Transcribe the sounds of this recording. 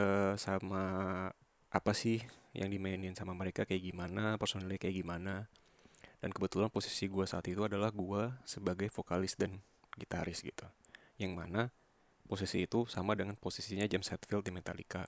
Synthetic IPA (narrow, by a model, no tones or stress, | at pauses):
əsama | ʔapasɪhjʔa̰ŋdimaɪnɪnsamaməɾekakajaɡimanapərsonalɲakajaɡimana | d̥ankəbət̪ulanposi̥siɡuasaːt̪it̪uadalahɡuasəbaɡajfokalɪsdan | ɡit̪aɾɪsɡit̪u | jaŋmana | posisiːt̪usamadəŋanposisiɲad͡ʒamsɛt̪fɪlt̪̚dimɛt̪a̰lḭka